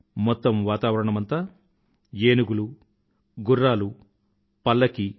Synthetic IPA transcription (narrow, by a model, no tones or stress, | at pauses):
mɔt̪ːɐmʋaːt̪aːʋɐɾɐɳɐmɐnt̪aː | jeːnuɡulu | ɡurːaːlu | pɐlːɐki